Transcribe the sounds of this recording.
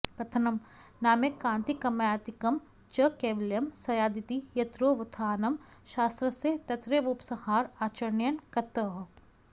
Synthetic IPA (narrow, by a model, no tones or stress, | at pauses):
kɐt̪ʰɐnɐmnaːmekãːnt̪ikɐmjaːt̪ikɐm | t͡ʃɐkeːʋljɐmsɐjaːd̪it̪ijɐt̪ɾoːʋɐt̪ʰaːnɐmʃaːst̪ɾɐset̪ɐt̪ɾeːʋuːpsɐhaːɾaːt͡ʃɐɾnjɐnkɐt̪ɐɦ